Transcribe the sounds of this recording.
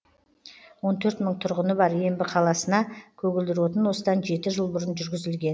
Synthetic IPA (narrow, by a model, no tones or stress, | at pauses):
wo̞nt̪ʰɵɾt̪məɴt̪ʰʊɾʁənəbɑɾje̞mbɪqʰɑlˠɑsənɑkʲʰɵɡʲɪld̪ɪɾwot̪ənwo̞səd̪ɑnʒe̞t̪ɪʒəlˠbʊɾənʒʏɾɡʲɪzɪlɡʲe̞n